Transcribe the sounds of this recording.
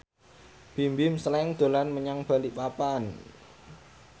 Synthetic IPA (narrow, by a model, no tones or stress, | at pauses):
b̥imbimsəlɛŋd̪̥o̤lanməɲaŋb̥a̤liʔpapan